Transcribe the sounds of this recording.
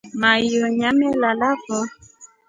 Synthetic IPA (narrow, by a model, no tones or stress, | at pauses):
majoɲamɛlalafɔ